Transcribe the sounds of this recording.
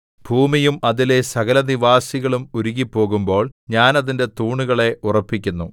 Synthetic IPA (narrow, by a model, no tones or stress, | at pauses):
bʱuːmijumɐðile̞sɐɣɐlɐniʋaːsiɣɐɭumuɾuɣipːo̞ːɣumbo̞ːɭɲaːnɐðinde̞t̪uːɳuɣɐɭe̞ʔurɐpːikʲːunːu